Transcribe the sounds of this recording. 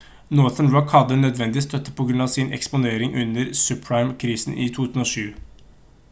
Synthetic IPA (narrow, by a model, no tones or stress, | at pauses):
nɔθənɹɔkhɑd̪ənœd̪ʋɛnd̪ɪʋist̪ʰœt̪ːə̥pʰɔɡɾʉnɑʋsɪnʔɛ̰kspʊneːɾɪŋʔʉnːəɾsʉpʰɹaɪmkʰɾiːsn̩ʔɪ̰t̪ʰuːt̪ʰʉ̥ːsn̩oːʂʉː